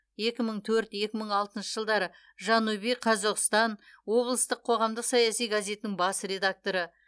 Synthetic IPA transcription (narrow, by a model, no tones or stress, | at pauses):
je̞kʲɪməɴt̪ʰɵɾt̪je̞kʲɪməɴɑlˠt̪ənʃəʒəlˠd̪ɑɾə | ʒɑnubijqʰɑzoqst̪ɑnwo̞blˠəst̪əqʰo̞ʁɑmd̪əqsɑjɑsijɡaze̞t̪ɪnɪŋbɑsɾe̞d̪ak̚t̪o̞ɾə